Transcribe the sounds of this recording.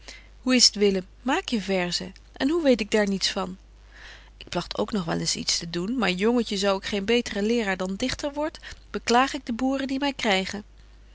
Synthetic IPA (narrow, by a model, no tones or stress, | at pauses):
huɪsətʋɪləmːaːkjəvɛɹzə | ʔɛnɦuʋejtɪɡ̚daːɹnitsfɑn | ɪk̚plɑχtʰo̰wknɔχʋɛ̰lɪnsḭtstədunmaːɹjɔŋəcəzɔwɪkχejnbejtərəlɪːraːɹdɑndɪχtəɹʋɔɹtb̥əklaːχɪɡ̚dəbuːrəndimɛjkrɛjχən